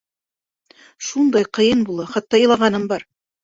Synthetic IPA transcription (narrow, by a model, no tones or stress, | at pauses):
ʃund̪ɑjqɤ̆jɤnbulˠɑχɑt̪ːɑjɤ̆lˠɑʁɑnɤmbɑɾ